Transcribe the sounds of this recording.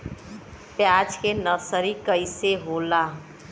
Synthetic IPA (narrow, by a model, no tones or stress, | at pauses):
pjad͡ʒkenəsəɾikəjseɦola